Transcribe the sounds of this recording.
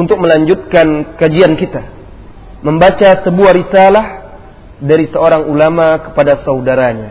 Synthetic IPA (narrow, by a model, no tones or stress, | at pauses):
unt̪ʊk̚məlaɲd͡ʒut̪̚kankad͡ʒiankit̪a | məmbat͡ʃasəbuahɾisalah | daɾisəoɾaŋulamakə̥padasaudaɾaɲa